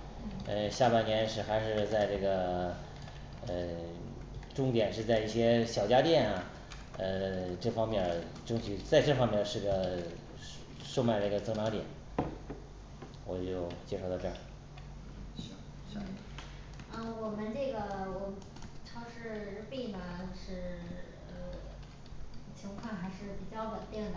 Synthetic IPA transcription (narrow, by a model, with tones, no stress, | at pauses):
ə˧ɕja˥˧pa˥˩njɛ˧˥nʂɻ̩˥˩xa˧˥ɪʂɻ̩˥˧t͡sa˥˧ɪʈ͡ʂɤ˥˩ɡə˩ | ə˧ | ʈ͡ʂʊ˥˧ŋt̪jɛ˨˩nʂɻ̩˥˧t͡sa˥˧ɪi˥˩ɕjɛ˥ɕjɑ˨˩ʊt͡ɕja˥t̪jɛ˥˩nɐ˩ | ə˧ʈ͡ʂɤ˥˩fɑ˥ŋmjɛ˥˩n | ʈ͡ʂʊ˥ŋɕi˧˥t͡sa˥˧ɪʈ͡ʂɤ˥˩fɑ˥ŋmjɛ˥˧˩ʂɻ̩˥˩ɡə˩ | ʂo˥˧ʊma˥˧ɪnə˥˧˩ɡə˩t͡sɤ˧˥ŋna˧˥ŋt̪jɛ̰˨˩˦n | wɔ˨˩t͡ɕjo˥˧ʊt͡ɕjɛ˥ʂo˥˩ʊt̪ɑ˥˧˩ʈ͡ʂɤ˥˩˥ | ʂ̩˥˩ | ə˥˧wɔ˨˩mə˦nʈ͡ʂɤ˥˩ɡə˩wɔ˨˩ | ʈ͡ʂʰɑ˥˧ʊʂɻ̩˥˧ɻ̩˧˥pi˥˩mɐ˩˧ʂɻ̩˥˩ | ə˧ | t͡ɕʰi˧˥ŋkʰa˥˩nxa˧˥ɪʂɻ̩˥˩pi˨˩t͡ɕjɑ˥˩ʊwə˨˩nt̪ji˥˩nd̪ə˩